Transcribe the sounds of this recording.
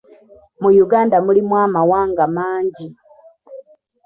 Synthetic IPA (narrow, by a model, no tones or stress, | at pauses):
mujuɡaːndamulimwaːmawaːŋɡamaːɲɟi